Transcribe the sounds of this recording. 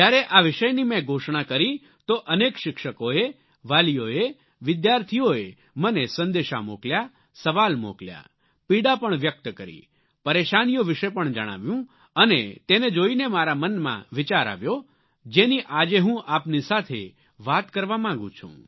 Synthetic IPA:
d͡ʒjaɾeʔaʋɪʃəjnimɛ̃ɡʱoʃɳakəɾi | t̪oʔənekʃɪkʃəkoe | ʋalijoe | ʋɪd̪jaɾt̪ʰijoe | mənesə̃nd̪eʃa̰moklja | səʋalmo̰klja̰ | piɽapəɳʋjək̚t̪kəɾḭ | pəɾeʃanijoʋɪʃepəɳd͡ʒə̰ɽ̃a̰ʋjũ | ənet̪ened͡ʒoinemaɾamənmã̰ʋɪt͡ʃaɾa̰ʋjo | d͡ʒeniʔad͡ʒeɦũʔapnisat̪ʰḛ | ʋat̪kəɾʋamãŋɡṵ̃t͡ʃʰṵ̃

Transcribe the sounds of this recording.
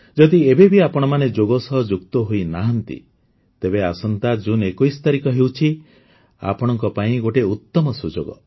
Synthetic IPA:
d͡ʒɔd̪iebebʱiapɔɽ̃ɔmaned͡ʒoɡɔsɔɦɔd͡ʒukt̪ɔɦoinaɦɔnt̪ḭ | t̪ebeasɔnt̪ad͡ʒunekɔjsɔ̥t̪aɾikɔɦewt͡ʃʰi | a̰pɔɽ̃ɔŋk̬ɔpaĩɡoʈeut̪ːɔmɔsud͡ʒoɡɔ̰

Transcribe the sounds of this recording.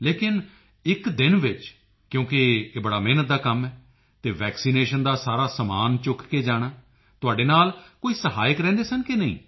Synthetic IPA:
leːkɪn | ɪkd̪ɪnʋɪt͡ʃ | kjõːkɪeːbəɽaːmeːnət̪̚d̪aːkəmɛː | t̪eːʋɛːksiːneːʃənd̪aːsaːɾaːsəmaːnt͡ʃʊkkeːd͡ʒaːɽ̃aː | t̪ʊaːɖeːnaːlkoːiːsəɦaːjəkɾɛ̃ːnd̪eːsənkɪnəḭ̃ː

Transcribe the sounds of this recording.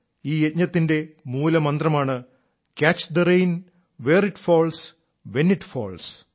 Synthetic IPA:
iːet̪̚ɲɐt̪ːinde̞muːlɐmɐnd̪rɐmaːɳɨ | kʲaːt͡ɕd̪ɐrejn | ʋe̞ːriʈfoːls | ʋe̞niʈfo̰ːls

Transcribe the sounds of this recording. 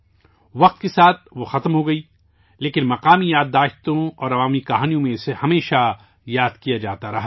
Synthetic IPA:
ʋɐq̚t̪̚kesaːt̪̚ʰʋoxɐt̪mɦoɡɐiː | leːkɪnmɐqaːmijaːd̪ːaːʃt̪õɔːɾɐʋaːmikɐɦaːnijõmẽɪsehɐmeːʃa | jaːd̪kijad͡ʒaːt̪aɾɐɦaː

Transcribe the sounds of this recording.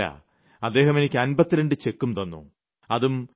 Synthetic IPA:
a̰ | ɐd̪ːe̞ːɦɐme̞nikʲːɨɐnbɐt̪ːiɾeɳɖɨt͡ɕe̞kːumt̪ɐnːṵ | ɐðum

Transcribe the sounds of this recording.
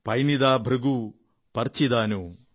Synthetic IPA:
pɐjnid̪aːbʱɾuɡu | pɐɾt͡ʃid̪aːnu

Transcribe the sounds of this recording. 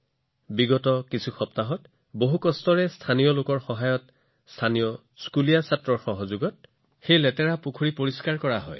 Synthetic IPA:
biɡɔtɔkisʰuxɔp̚taɦɔt | boɦukɔstɔɹɛstʰanijɔlokɔɹxɔɦajɔt | stʰanijɔ | skulijasatɹɔɹxɔɦɔzuɡɔt̚ | xejlɛtɛɹapukʰuɹipoɹiskaɹkɔɹaɦɔ̰j

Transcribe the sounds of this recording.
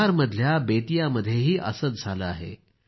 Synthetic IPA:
aɾməd̪ʱjabeːʈijaməd̪ʱjeɦiːʔɐ̰səd̪̚d͡zʱala̰ɦḛː

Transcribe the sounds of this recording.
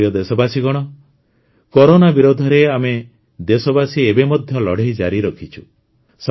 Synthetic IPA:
jɔd̪esɔbasiɡɔɽ̃ɔ | kɔɾonabiɾod̪ʱɔɾeame | d̪esɔbasiebemɔd̪ʱjɔlɔɽ̤ejd͡ʒa̰ɾiɾɔkʰit͡ʃʰu | s

